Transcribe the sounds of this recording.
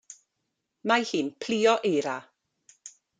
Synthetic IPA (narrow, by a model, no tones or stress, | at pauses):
mahiːnpʰl̥iːɔʔejɾa